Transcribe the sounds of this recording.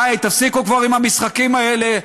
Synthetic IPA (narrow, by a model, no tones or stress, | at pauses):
jt̪afsikukvaʁimamisχakimae̞le